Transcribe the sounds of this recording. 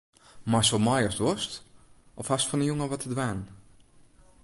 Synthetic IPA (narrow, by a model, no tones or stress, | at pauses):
masɔlˠmɔjɔstʋɔst | ʔɔfhastfɔnəjuŋəʋɔtʰədʋaːn